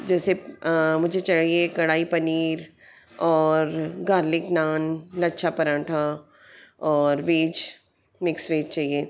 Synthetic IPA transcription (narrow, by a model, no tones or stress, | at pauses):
d͡ʒɛːsemʊd͡ʒʱet͡ʃɐɽaiekɐɽaːipɐniːɾ | ɔːɾɡaːɾlɪknaːnlɐtːʃʰapɐɾãːʈʰa | ɔːɾʋeːd͡ʒ | mɪksʋeːd͡ʒt͡ʃaːɦieː